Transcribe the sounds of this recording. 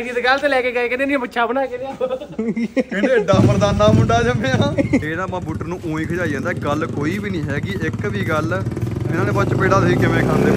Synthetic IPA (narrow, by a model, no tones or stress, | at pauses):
d͡ʒiːt̪eɡəlt̪eːlɛːkeːɡaːiːkɪneːniãmətːʃʰaːbənaːkɪnː | kɪ̃eːɖaːməɾd̪aːnãːmʊɳɖaːd͡ʒəmẽːãːeːnaːpãːbuːʈːəɾnũːʔõːĩːkʰəd͡ʒaːiːd͡ʒãːnd̪aːɡəlkoːiːbiːnĩːɦɛːkɪɪkʋiːɡəlɪnãːneːpəːt͡ʃpeːɽaːt̪iːkɪmẽːkʰãːnd̪eː